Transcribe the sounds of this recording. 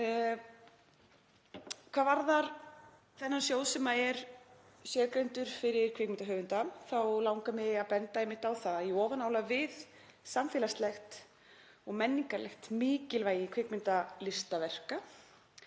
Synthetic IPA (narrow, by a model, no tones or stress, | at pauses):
kʰvaːðvaɾðaɾ | θɛnːansjoːwsɛmaɛɾ | sjɛːɾkɾɛnt̪ʏɾ̥fɪɾɪɾ̥kʰvɪkmɪnt̪aɦœːɣvʏnt̪aθawlawŋkamɪaðpɛnt̪aɛjmːɪht̪awθaiɔːvanaːwlavɪð | samfɪːlast̪lɛxt̪ | ɔɣmɛnːiŋkalʔɛ̰xt̪mɪːcɪlvaːjɪkʰvɪkmɪnt̪alɪst̪avɛr̥ka